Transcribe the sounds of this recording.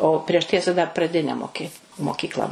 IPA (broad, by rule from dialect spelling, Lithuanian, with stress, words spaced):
oː ˈpʲrʲiɛʃ ˈtʲiɛsɐ dɐr prɐˈdʲɪnʲɛ moːˈkʲɪ moːˈkʲiːklˠɐ